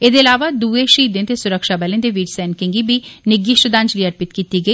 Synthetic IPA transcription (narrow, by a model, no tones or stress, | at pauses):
eːd̪eːlaːʋaːd̪uːeːʃəiːd̪ẽt̪eːsʊɾəkʃaːbəːlẽːd̪eːʋiːʈsɛːnkɪ̃ŋɡiːbiːnɪɡɪʃʈd̪ãɲd͡ʒliːəɾpɪt̪kiːt̪iːɡəiː